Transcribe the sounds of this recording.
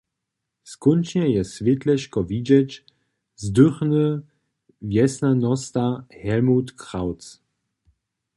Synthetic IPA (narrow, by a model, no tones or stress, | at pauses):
skʊnt͡ʃnɛjɛsvɪtlɛʃkɔvid͡ʒɛt͡ʃ | zdʏχnə | vjɛsnanɔstahɛlmutkʁ̥aʊt͡s